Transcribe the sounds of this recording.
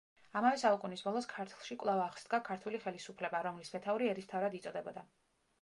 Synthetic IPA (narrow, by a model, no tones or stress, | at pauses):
amavɛsaukʼunisbɔlˠɔskʰaɾt̪ʰlˠʃikʼvlˠavaːχsd̪ɡakʰaɾt̪ʰuliχɛlisupʰlɛbaɾɔmlismɛt̪ʰauɾiɛɾist̪ʰavɾad̪it̪sʼɔd̪ɛbɔd̪a